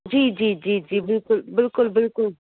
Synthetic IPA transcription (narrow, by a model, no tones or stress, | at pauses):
d͡ʒiːd͡ʒiːd͡ʒiːd͡ʒiːbɪlkʊlbɪlkʊlbɪlkʊl